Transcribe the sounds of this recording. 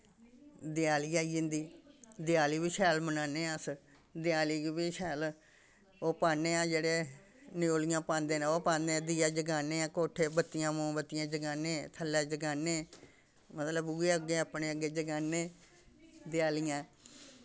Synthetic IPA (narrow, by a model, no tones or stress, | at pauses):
d̪ɪjaːliːaːiːd͡ʒɪ̃nd̪iːd̪ɪjaːliːbiːʃɛːlmənaːneːəs | d̪ɪjaːliːɡibiːʃɛːl | oːpaːneːãːd͡ʒeːɽeː | nɪoːlɪjãːpãːnd̪eːneoːpãːnd̪eãːd̪iːaːd͡ʒəɡaːneːãːkoːʈʰeːbət̪ːɪjãːmõːbət̪ːɪjãːd͡ʒəɡaːnẽːt̪ʰəlːɛːd͡ʒəɡaːnẽː | mət̪ləbuːeːəɡeːəpɳeːəɡeːd͡ʒəɡaːnẽː | d̪ɪjaːlijãː